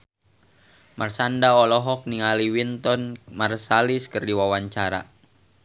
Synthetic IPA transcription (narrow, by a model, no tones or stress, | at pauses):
marsandaɔlɔɦɔk̚niŋaliwint̪ɔnmarsaliskərdiwawaɲt͡ʃaɾa̰